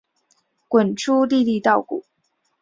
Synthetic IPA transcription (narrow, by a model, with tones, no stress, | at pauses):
kwə˨˩nʈ͡ʂʰu˥li˥˧li˥˧t̪ɑ˥˩ʊkṵ˨˩˦